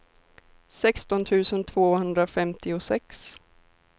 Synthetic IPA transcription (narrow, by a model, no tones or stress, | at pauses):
sɛkst̪ɔnt̪ʰʉ̟ːsənt̪ʰv̥oːhɵnd̪ɾafɛmt̪ʰɪʊsɛks